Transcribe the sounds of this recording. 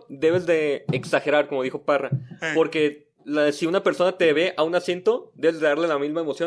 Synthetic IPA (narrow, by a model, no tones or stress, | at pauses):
d̪e̞βe̞zðe̞ːksaxe̞ɾaɾkomo̞ðixo̞parapo̞ɾke̞ | lasiunapeɾso̞nat̪e̞βe̞ʔaunasje̞nt̪o̞d̪e̞βezðe̞ðaɾle̞lamizmaemo̞sjo